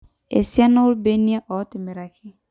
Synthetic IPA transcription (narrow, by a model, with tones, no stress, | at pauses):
ḛ˨si˦a˦no˦ʊ˦lbe˦ni˦a˦ʔɔ˨˦tɪ˨me˨ɾa˨kʰɪ˦